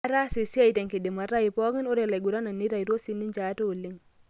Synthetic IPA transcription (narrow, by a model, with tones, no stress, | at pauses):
a˦ɾa˦si˨si˦a˦i˨tɛ˨ŋke˨di˨ma˨ɾa˦ji˨pɔ˦ŋɪ˦no˦ɾe˨la˨ɡu˨ɾa˦na˨nːi˦ɾa˨jɾo˦si˦nːi˦ɲd͡ʒa˨˦to˦˨lːi˦ŋ